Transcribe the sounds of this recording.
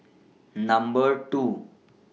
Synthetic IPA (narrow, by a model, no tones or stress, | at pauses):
nəmbəɾʈu